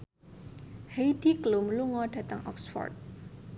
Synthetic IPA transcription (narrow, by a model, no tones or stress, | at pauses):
hejdiklumluŋɔɖ̥ä̤t̪əŋʔɔ̰ksfɔ̰rt̪̚